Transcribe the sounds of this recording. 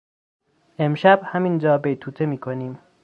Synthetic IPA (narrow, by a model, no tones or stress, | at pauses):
e̞mʃæbhæmind͡ʒɒːbejt̪ʰuːt̪ʰemiːkʰoniːm